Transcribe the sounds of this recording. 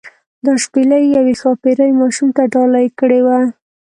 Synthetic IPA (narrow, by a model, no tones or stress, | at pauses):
d̪ɑʃpelajjawexɑpeɾajmɑʃumt̪aɖɑlajkəɽewa